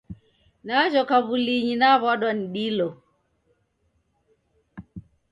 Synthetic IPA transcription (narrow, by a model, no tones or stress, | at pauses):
naʒɔkaβuliɲinaβwaɗwaniɗilɔ